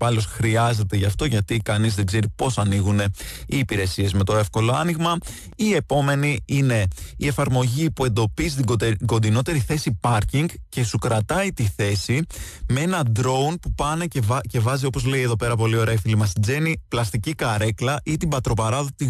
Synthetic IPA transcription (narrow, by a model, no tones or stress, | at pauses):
pɐlo̞sxɾiɐze̞t̪e̞ʝɐft̪o̞ʝɐt̪ikɐnizðe̞ɡze̞ɾipo̞sɐniɣune̞iːpiɾe̞sie̞zme̞t̪o̞e̞fko̞lo̞ɐniɣmɐ | ie̞po̞me̞niine̞ie̞fɐɾmo̞ʝipue̞nd̪o̞pist̪iɡo̞nd̪ino̞t̪e̞ɾiθe̞sipɐɾciŋɡce̞sukɾɐt̪ɐit̪iθe̞simeenɐd̪ɾo̞unpupɐne̞cevce̞vɐzio̞po̞zle̞ieðo̞pe̞ɾɐp̬o̞lio̞ɾɐifilimɐsind͡ze̞niplɐst̪icikɐɾe̞klɐʔit̪ibɐt̪ɾo̞pɐɾɐðot̪i